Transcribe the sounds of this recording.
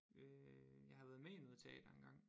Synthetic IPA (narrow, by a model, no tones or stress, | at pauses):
øjɑ̈ɪhɑ̈ʋæːð̞ˠmeimoðˠt͡sʰɛ̰ɪd̥æenɡ̥ɑ̈ŋ̰